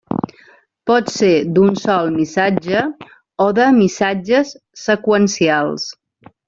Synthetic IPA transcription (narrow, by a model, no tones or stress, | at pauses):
pɔt̪sed̪unsɔlˠmisad͡ʒə | oðəmisad͡ʒəsː | əkwənsialˠs